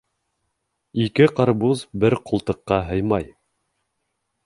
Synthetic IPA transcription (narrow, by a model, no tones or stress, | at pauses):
ikɘqɑɾbuzbɘɾqŭlˠt̪ɤ̆qːɑɦɤ̆jmɑj